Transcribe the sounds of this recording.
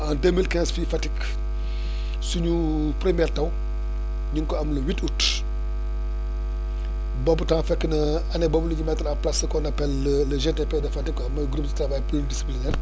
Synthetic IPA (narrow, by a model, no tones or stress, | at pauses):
ãndemilkɛ̃ːsfifatik | suɲu | pɾimɛːrtɐw | ɲiŋkɔɐmlɐwitut | bɔbutãːfɛkːənɐ | ɐnɛbɔbuliɲumɛtɐlaplasɐkɔnɐpɛlːəlɐʒetepedɐfatikːɔɐmɐɡɾup̚dətɾavajpldisi̥plinɛːr